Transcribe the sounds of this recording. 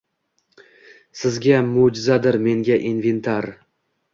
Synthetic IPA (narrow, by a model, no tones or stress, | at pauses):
sɪzɡʲamod͡ʒɪzad̪ɪɾme̞ŋɡʲaʔinve̞nt̪ʰaɾ